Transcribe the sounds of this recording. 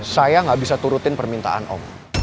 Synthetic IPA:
sajaŋɡaʔbisat̪uɾut̪ɪnpərmint̪a̰ʔa̰nʔɔ̰m

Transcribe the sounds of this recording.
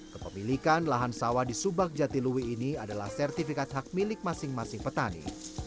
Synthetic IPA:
kəpəmilikanlaɦansawadisubak̚d͡ʒat̪iluwiːniadalahsɛrt̪ifikat̪̚ɦak̚milɪk̚masɪŋmasɪŋpət̪anḭ

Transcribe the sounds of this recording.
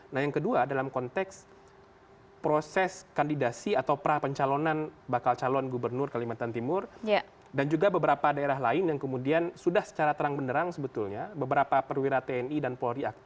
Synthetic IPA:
nahjaŋkəduadalamkɔnt̪ɛks | pɾosɛskandidasiat̪awpəɾapəɲt͡ʃalɔnanbakalt͡ʃalɔnɡubərnʊrkalimat̪ant̪imʊrja | dand͡ʒuɡabəbəɾapadaeɾaɦlaɪnjaŋkəmudiansudahsə̥t͡ʃaɾat̪əɾaŋbəndəɾaŋsəbət̪ulɲabəbəɾapapərwiɾat̪eɛnidanpolɾiak̚t̪

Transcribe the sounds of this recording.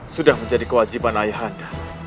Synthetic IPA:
sudahməɲd͡ʒadikəwad͡ʒipanaiɦanda

